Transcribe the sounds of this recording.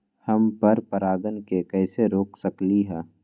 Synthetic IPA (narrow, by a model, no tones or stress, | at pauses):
hɐmpɐɾpɐɾaːɡənkekɛːseɾoːksəkliɦɛː